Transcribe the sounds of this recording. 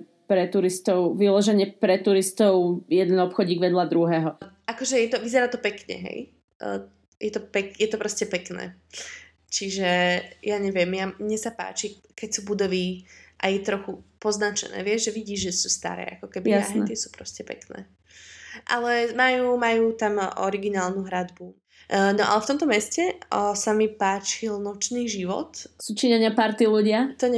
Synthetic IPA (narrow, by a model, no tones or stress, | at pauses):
pɾɛt̪uɾist̪ɔʊʋilɔʒɛɲɛpɾɛt̪uɾist̪ɔʊjɛd̪ɛnɔpxɔɟɲiːɡʋɛd̪lad̪ɾuɦɛːɦɔʔakɔʒɛjɛt̪ɔʋizɛɾaːt̪ɔpɛkɲɛ̰ɦɛ̰j | jʔɛt̪ɔpɛkjɛt̪ɔpɾɔscɛpɛknɛ̰ː | t͡ʃiʒɛjaɲɛʋɪɛmjaɲɛsapa̰ːt͡ʃi | kɛcsuːbud̪ɔʋiːʔajɛt̪ɾɔxupɔznat͡ʃɛ̰nɛ̰ːʋɪɛzʒɛʋiɟiːʒʒɛsuːst̪a̰ɾɛ̰ːakɔkɛbiaɦɛt̪ɪɛsuːpɾɔscɛpɛ̰knɛ̰ː | ʔalɛmajuːmajuːt̪amɔ̰ɾiɡinaːlnuɦɾad̪bu | nɔʔa̰lɛft̪ɔmt̪ɔmɛscɛsamipaːt͡ʃilnɔt͡ʃniːʒiʋɔ̰t̪sut͡ʃiɲɛɲɪapaɾt̪iluɟɪat̪ɔɲɛ